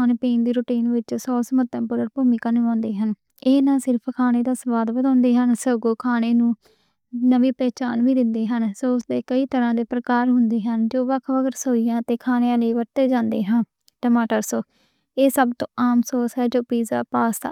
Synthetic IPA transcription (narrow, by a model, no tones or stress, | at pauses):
anpeːnd̪iːɾʊːʈiːnʋɪt͡ʃsɔːsəmət̪ːə̃ːpʊɾəɾpuːmiːkaːnɪãːnd̪eːɦən | eːnãːsɪɾpʰkʰaːneːd̪aːsəbaːd̪bəd̪ãːnd̪eːɦənsəɡoːkʰaːneːnũː | nəʋiːpɛːt͡ʃaːnʋiːd̪ɪnd̪eːɦənsoːʊsd̪eːkəiːt̪əɾãːd̪eːpɾəkaːɾɦʊnd̪eːɦənd͡ʒoːʋəkʰʋəɡəɾsoːiːjãːt̪eːkʰaːneãːləiːʋəɾt̪eːd͡ʒãːnd̪eːɦaː | ʈəmaːʈəɾsoː | eːsəbt̪õːʔaːmsoːsɦɛːd͡ʒoːpiːzaːpaːsa̰